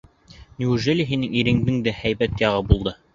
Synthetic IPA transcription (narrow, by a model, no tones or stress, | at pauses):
nʲiuʒelʲiɦinɘŋiɾɘ̆ŋd̪ɘŋd̪æhæjbæt̪jɑʁɤbulˠd̪ɤ